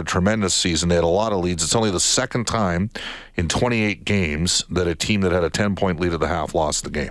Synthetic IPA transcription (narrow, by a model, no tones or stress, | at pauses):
ətʰɹ̥əmɛ̃ndɨsizɨ̃n̩ðeɪɨɾəlɔɾəlidzɨtsõʊ̃nliðəsɛkn̩tʰãɪ̃m | ɨ̃ntʰw̥ɛ̃ɾ̃ieɪt̚ɡ̥ẽɪ̃mz̥ðɨɾɨtʰĩmðɨt̚hɨɾɨtʰɛ̃npʰɔ̃ɪ̃nʔˡliɾə˞ðəhæflɔsðɨɡẽɪ̃m